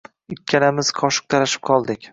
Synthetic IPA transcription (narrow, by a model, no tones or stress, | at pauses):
ɪkʲːanamɪz̥qʰɒʃɨ̥q̚t̪ʰɑɾaʃɪ̥p̚qʰɒlˠd̪ɪkʲ